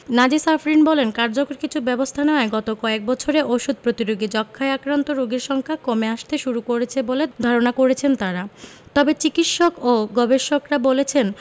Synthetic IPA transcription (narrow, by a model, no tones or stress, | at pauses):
nad͡ʑisafɾinbɔlenkaɾd͡ʑokoɾkit͡ɕʰubɛbost̪ʰaneoaeɡɔt̪okɔek̚bɔt͡ɕʰoɾeʔoʃud̪̚ʱpɾot̪iɾoɡid͡ʑɔkʰːaeakɾant̪oɾoɡiɾʃɔŋkʰakomeaʃt̪eʃuɾukoɾet͡ɕʰeboled̪ʱaɾonakoɾet͡ɕʰent̪aɾat̪ɔbet͡ɕikit̪ʃokoɡɔbeʃokɾabolet͡ɕʰen